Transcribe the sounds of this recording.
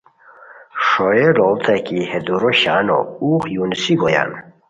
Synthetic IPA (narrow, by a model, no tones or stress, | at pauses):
ʂɔjelɔbt̪ʰakihed̪uɾoɕano̰uːqjunsiɡoja̰n